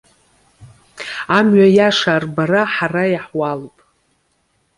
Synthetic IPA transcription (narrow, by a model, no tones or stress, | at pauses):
amɥajaʂaːrbaɾaħarajaħwalpʼ